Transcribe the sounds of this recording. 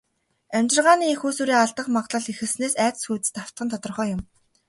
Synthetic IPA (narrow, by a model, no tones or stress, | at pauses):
æmʲt͡ɕɪ̆rʁaːniːixuːsuːɾiːaɮt̪ə̆qmaʁɮə̆ɮixɘ̆rsneːsæːt͡s̪sxuːt̪ɘ̆st̪aw̥t̪χə̆nt̪ʰɔt̪ɞ̆rχœːjʊm